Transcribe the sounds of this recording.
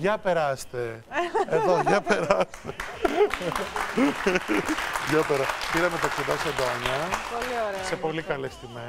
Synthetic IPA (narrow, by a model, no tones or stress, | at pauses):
ʝɐpe̞ɾɐst̪eeðo̞ɐpeɾɐst̪e | ʝɐpeɾɐspiɾɐmet̪ɐksod̪ɐseɐnd̪oɐɲɐpolioɾese̞po̞likɐlest̪imes